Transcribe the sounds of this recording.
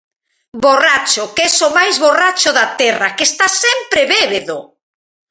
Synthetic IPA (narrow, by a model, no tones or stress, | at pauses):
borat͡ʃʊkɛsomajzβorat͡ʃʊðat̪ɛrakest̪asɛmpɾeβeβeðo